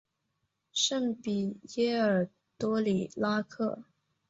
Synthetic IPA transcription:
ʂə˥˩ŋpi˨˩jɛ˥ə˞˨˩ | t̪wɔ˥li˨˩la˥kʰɤ˥˩

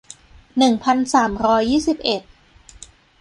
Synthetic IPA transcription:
nɯ˨˩ŋpʰa˧nsaː˩˦mɾɔː˦˥jːiː˥˩si˨˩p̚ʔe˨˩t̪̚

